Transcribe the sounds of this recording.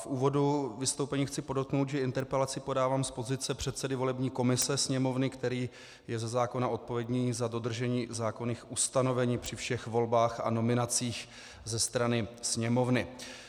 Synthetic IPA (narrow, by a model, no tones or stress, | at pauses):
fʔuːvo̞duvɪst̪owpɛɲiːxt͡sɪpo̞dot̪̚knowt̪ʒɛɪnt̪ɛɾpɛlat͡sɪpo̞daːvaːmspo̞zɪt͡sɛpr̝̥ɛt̪t͡sɛdɪvo̞lɛbɲiːko̞mɪsɛsɲɛmo̞vnɪkt̪ɛɾiː | jɛzɛzaːko̞nao̞t̪̚po̞vjɛdɲiːzado̞d̪r̩ʒɛɲiːzaːko̞niːxʔust̪ano̞vɛɲiːpr̝̥ɪfʃɛxvo̞lbaːxa̰no̞mɪnat͡siːx | zɛst̪ɾanɪsɲɛmo̞vnɪ